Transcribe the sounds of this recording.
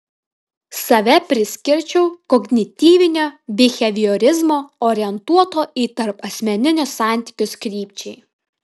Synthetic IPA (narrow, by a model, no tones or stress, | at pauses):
sɐʋʲɛpʲɾʲɪsʲkʲɪɾʲt͡ʃʲɛʊkɔɡnʲɪt̪ʲiːʋʲɪnʲoːbʲɪxʲɛʋʲiɔɾʲɪzmoːɔːɾʲɪɛnt̪uɔt̪oːʔiːt̪ɐɾpɐsʲmʲɛnʲɪnʲʊsːɑˑnʲt̪ʲɪ̥kʲʊskɾʲiːpʲt͡ʃʲɛɪ